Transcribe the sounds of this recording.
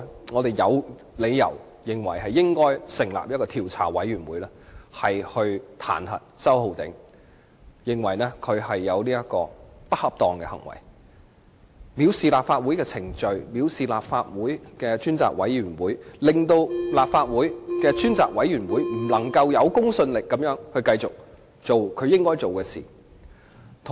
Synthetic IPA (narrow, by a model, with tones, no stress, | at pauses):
ŋɔː˨˧t̪e˨jɐ˨˧w | le˨˧jjɐ̰˨˩w | jɪ˨ŋwɐ̰˨˩jɦɐ˨jːɪ˥ŋkɔː˥jsɪ˨˩ŋla̰ː˨p̚jɐ˥t̚kɔː˧iː˨˩wt͡sʰa̰ː˨˩wɐ̰˨˥jɥyː˨˩nwuː˨˥jlɛː˥hɐ˨jhɵ˧ɥt̪ʰa̰ː˨˩nhɐ̰˨t̚ːt͡sɐ˥who˨˧wt̪ɪ̰˨˥ŋ | jɪ˨ŋwɐ˨˩jnɛː˥kʰɵ˨˧ɥɦɐ˨jːɐ˨˧wniː˥jɐ˥t̚kɔ̰ː˧pɐ˥t̚hɐ˨p̚t̪ɔː˨ŋkɛ˧hɐ̰˨˩ŋwɐ̰˨˩j | miː˨˧wsiː˨laː˨p̚faː˧t̚wu˨˥jkɛː˧t͡sʰɪ˨˩ŋt͡ʃɵ˧ɥmiː˨˧wsiː˨˩laː˨p̚faː˧t̚wuː˨˥jkɛː˧t͡ʃyː˥nt͡sa̰ː˨k̚wɐ̰˨˥jjyː˨˩nwuː˨˥jlɪ˨˩ŋt̪o˧wlaː˨pfaː˧t̚wuː˨˥jkɛː˧t͡ʃyː˥nt͡sa̰ː˨k̚wɐ˨˥jɥyː˨˩nwuː˨˥jm̩˨˩lɐ˨˩ŋkɐ˧wjɐ˨˧wkʊ˥ŋsɵ˧nlɪ˨kːɐ˨˥mjœː˨˥ŋhɵ˧ɥkɐ˧jt͡sʊ˨k̚ | t͡so˨wkʰɵ˨˧ɥjɪ˥ŋkɔː˥jt͡so˨wkɛː˧sḭː˨˩ | t̪ʰ